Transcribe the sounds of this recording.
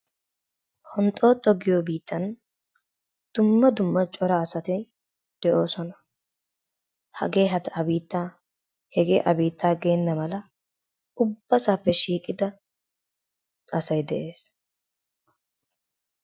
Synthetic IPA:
hɔnt̪ʼo̞ːt̪ʼːɔɡɪjoːbiːt̪ʰːɐn | d̪̥ʊmːɐd̪ʊmːɐt͡ʃʼɔɾaːsɐt̪ɛj | d̪̥ɛʔo̞ːsɔnɐ | hɐ̰ɡe̞ːɦɐt̪ɐɐbiːt̪ːaː | hɛɡḛːʔɐbiːt̪ʰːaːɡeːnːɐmɐlɐ | ʊbːɐsaːpːɛʃiːkʼɪd̪ɐ | ɐsɐjd̪ɛʔe̞ːs

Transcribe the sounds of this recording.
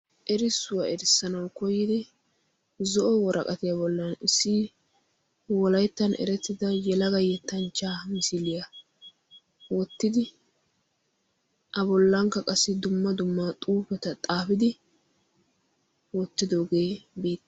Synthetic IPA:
ʔɛɾɪsːʊwɐɛɾɪsːɐnɐwkɔjːɪd̪ɪ | zɔʔɔwɔɾʔɐ̰kʼɐt̪ɪjabɔlːɐnɪsːɪ | wɔlɐjt̪ːɐnʔɛ̰ɾɛt̪ːɪd̪ɐjɛlɐɡɐjɛt̪ːɐnt͡ʃːaːmɪsɪlɪjɐ | wɔt̪ːɪd̪ɪ | ʔɐbɔlːɐŋkːɐkʼɐsːɪd̪ʊmːɐd̪ʊmːat̪ʼuːpɛt̪ɐt̪ʼaːfɪd̪ɪ | wɔt̪ːɪd̪o̞ːɡe̞ːbeːt̪ː

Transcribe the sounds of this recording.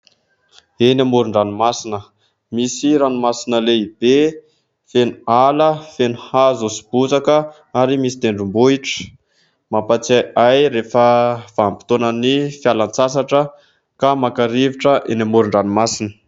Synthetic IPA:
enamuɾuɳɖ͡ʐanumasinə | misiɾanumasinəleib̥e | fenualəfenuhazosi̥b̥ut͡sakə | aɾimisi̥t̪eɳɖ͡ʐumbuiʈ͡ʂə̥ | mapat͡saajɾefəv̥aːmpi̥t̪onənifjalant͡sas̬aʈ͡ʂə | kamakaɾiviʈ͡ʂəʔenʲamuɾuɳɖ͡ʐanimasinə̥

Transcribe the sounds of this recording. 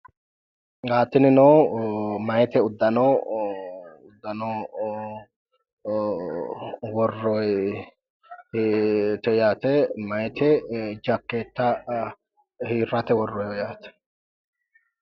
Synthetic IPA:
ɡaːt̪ːɪnɪno | mɐjt̪ɛʊd̪ːɐnɔ | ʊd̪ːɐno | wɔrːɔj | t̪ɔjaːt̪ɛmɐjt̪ɛd͡ʒɐkːeːt̪ːɐ | hiːɾːɐt̪ɛwɔrːɔjɔjaːt̪ɛ̥

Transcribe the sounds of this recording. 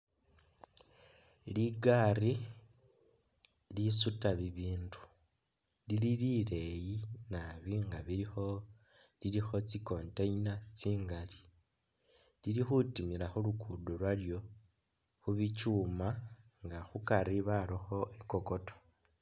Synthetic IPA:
liɡari | lisutaβiβiːndu̥ | lililile̞jinaβiŋɡaβiɾixo | lilixo̞t͡siko̞ːnteɲinat͡siːŋɡali | lilixutimiɾaxulukʰudolwaljo̞ | xuβit͡ʃuma | ŋɡaxukaɾiβaɾoxo̞ʔeko̞ko̞to̥

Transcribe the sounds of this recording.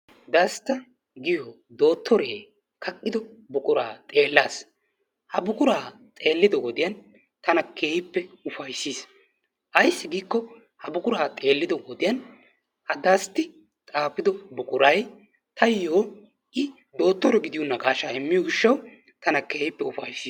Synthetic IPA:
d̪ɐst̪ːɐ | ɡɪjo | d̪o̞ːt̪ːɔɾeː | kɐkʼːɪd̪ɔbʊkʼʊɾa̰ːt̪ʼe̞ːlːaːs | hɐbʊkʼʊɾaːt̪ʼeːlːɪd̪ɔɡɔd̪ɪjɐn | t̪ɐnɐkʰe̞ːjɪpːɛʊfɐjsːiːs | ʔɐjsːɪɡiːkːɔ | hɐbʊkʼʊɾaːt̪ʼe̞ːlːɪd̪ɔɡɔd̪ɪjɐn | hɐd̪ɐst̪ːɪ | t̪ʼaːpːɪd̪ɔbʊkʼʊɾɐj | t̪ʰɐjjoː | ʔɪ | d̪o̞ːt̪ːɔɾɛɡɪd̪ɪjɔnːɐɡaːʃaːɛmːɪjɔɡɪʃːɐw | t̪ɐnɐkeːjɪpːɛʊfɐjsːiː

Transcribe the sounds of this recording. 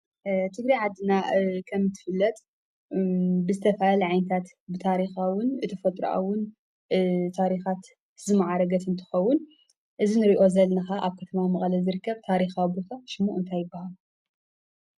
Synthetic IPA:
t̪ʰɨɡɾiʕad̪ɨnakʰɐmːɨt̪ʰːɨ̥fɨlːɐt̪ | bɨzɨt̪ʰɐfaalʕajnɨt̪ʰat̪ | bɨt̪ʰaɾixawʊnɨt̪ʰɐfɐt̪ʼɾṵʔa̰wʊn | t̪ʰaɾixat̪ | zɨmaʕaɾɐɡɐt̪ɨnt̪ʰɨ̥xɐwːʊn | ʔɨzinɨɾiʔo̞zɐlnɐxaʔaβkʰɐt̪ʰɐmamɐχʼlɐzɨɾɨkːɐβt̪ʰaɾixabɾut̪ʰaʃɨmuʔɨnt̪ʰajːɪbːahalu

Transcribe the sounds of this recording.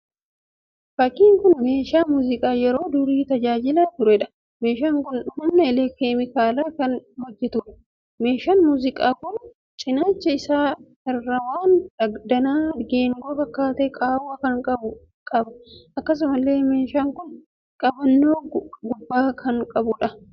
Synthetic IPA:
fɐkːiːŋkʊnme̞ːʃaːmuːzɪkʼaːjɛɾo̞ːd̪ʊɾiːt̪ɐd͡ʒaːd͡ʒɪlaːt̪ʊɾʊɛᶑɐ̥ | meːʃaːŋkʊnhʊmnɐɪleːkeːmɪkaːlaːkɐnhɔd͡ʒːɛt̪ʊᶑɐ̥ | me̞ːʃaːnmuːzɪkʼaːkʊn | t͡ʃʼɪnaːt͡ʃːɐɪsaː | ɪrːɐwaːnɐd̪ɐnaːɡe̞ːŋɡoːfɐkːaːt̪eːkʼaːwɐkɐŋkʼɐʊ | kʼɐbɐʔɐkːɐs̬ʊmɐlːe̞ːmeːʃaːŋkʊn | kʼɐbɐnːoːɡʊbːaːkʰɐnkʼɐbʊᶑɐ

